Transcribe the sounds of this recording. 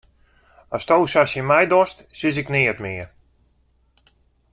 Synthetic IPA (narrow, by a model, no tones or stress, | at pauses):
astowsasəmɛjdɔst | sɪs̬ɪknɪətmɪər